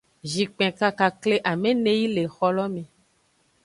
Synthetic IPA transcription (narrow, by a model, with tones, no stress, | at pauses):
ʒi˨k͡pɛ̃˨ka˦ka˨kle˦ʔa˨mẽ˦nẽ˦ji˦le˨xɔ˦lɔ˦mẽ˨